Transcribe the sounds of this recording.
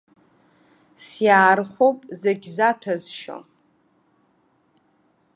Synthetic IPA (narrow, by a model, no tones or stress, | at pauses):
sjaːrχʷopʼzeɡʲzatʰazʃo̰